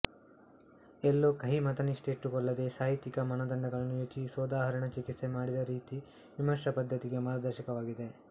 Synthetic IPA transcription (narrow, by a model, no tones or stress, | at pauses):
elːoːkɐɦimɐt̪ɐniʂʈeːʈːukɔɭːɐd̪e̞ːsaːɦit̪ikɐmɐnɐd̪ɐnd̪ɐɡɐɭɐnːujoːt͡ʃisɔːd̪aːɦɐɾɐɳɐt͡ʃikit̪semaːɽid̪ɐɾiːt̪i | ʋimɐʃɐpɐd̪ʱːɐt̪iɡe̞maːɾd̪ɐɾʃɐkɐʋaːɡid̪e̞